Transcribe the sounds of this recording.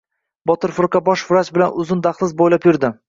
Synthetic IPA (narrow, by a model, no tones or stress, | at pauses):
bɒt̪ɪɾfʊɾqɑbɒʃvʊɾat͡ʃbɪlanʊzɪnd̪aχlˠɪzbojlapjʊɾd̪ɪ